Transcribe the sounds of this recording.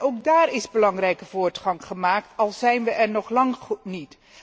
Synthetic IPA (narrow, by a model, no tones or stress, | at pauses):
owk̚daːrɪzbəlɑŋrɛjkəvʊːɹtχɑŋχəmaːk̚tɑlˠz̥ɛjnʋəʔɛɹnɔχlɑŋχutnit